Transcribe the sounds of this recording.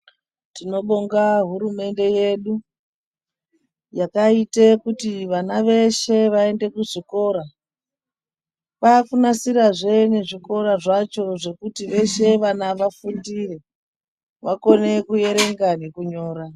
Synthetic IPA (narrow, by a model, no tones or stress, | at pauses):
tino̞ɓoŋɡaɦuɾume̞nde̞je̞ɗu | jakaitekutiʋanaʋe̞ʃe̞ʋae̞nde̞kuʐiko̞ɾa | pakunasiɾaʐene̞ʐiko̞ɾaʐat͡ʃo̞ʐe̞kutiʋe̞ʃe̞ʋanaʋafundire̞ | ʋako̞ne̞kuje̞ɾe̞ŋɡane̞kuɲo̞ːɾa